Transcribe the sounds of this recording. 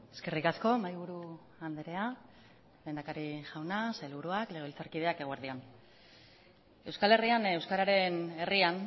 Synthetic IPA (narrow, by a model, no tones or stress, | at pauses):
e̞ske̞rikasko̞majβ̞uɾu | and̪eɾe̞a | le̞nd̪akaɾiʝawnasajlβuɾuakle̞ɣilt͡saɾkiðe̞ake̞ɣ̞oeɾð̞ion | e̞wskale̞riane̞wskaɾaɾe̞ne̞rian